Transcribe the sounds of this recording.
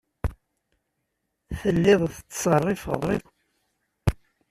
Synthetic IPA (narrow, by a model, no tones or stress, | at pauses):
θəlːɪðˤθət͡sːsˤərˤːifə̰ðˤɾɪw